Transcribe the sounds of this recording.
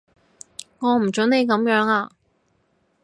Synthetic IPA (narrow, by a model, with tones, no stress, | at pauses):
ŋɔː˨˧m̩˨˩t͡ʃɵ˨˥nne˨˧jkɐ˨˧˥mjœː˨˥ŋaː˧